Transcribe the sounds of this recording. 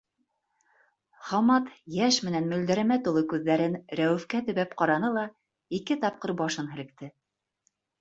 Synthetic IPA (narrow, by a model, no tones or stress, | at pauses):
χɑmɑt̪jæʃmɘ̆nænmɵ̆ld̪æɾæmæt̪ulˠɤkʉðːæɾɘnɾæwɘ̆fkæt̪ɵ̆βæpqɑɾɑnɤlˠɑ | ikɘt̪ɑp̚qɤɾbɑʃɤnɦɘ̆lɘ̆k̚t̪ɘ